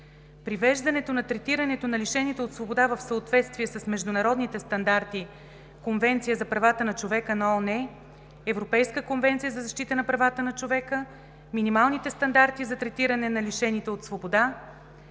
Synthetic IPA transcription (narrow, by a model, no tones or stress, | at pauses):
pɾivɛʒd̪ɐnɛt̪onɐt̪ɾɛt̪iɾɐnɛt̪onɐliʃɛnit̪ɛot̪svobod̪avəfsəot̪vɛt̪st̪viɛsəsmɛʒd̪ʊnɐɾɔd̪nit̪ɛst̪ɐnd̪aɾt̪i | konvɛnt̪sijəzɐpɾɐvat̪ənɐt͡ʃovɛkənɐɔnɛ | ɛvɾopɛjskəkonvɛnt̪sijəzɐzɐʃt̪it̪ənɐpɾɐvat̪ənɐt͡ʃovɛkə | minimalˠnit̪ɛst̪ɐnd̪aɾt̪izɐt̪ɾɛt̪iɾɐnɛnɐliʃɛnit̪ɛot̪svobod̪a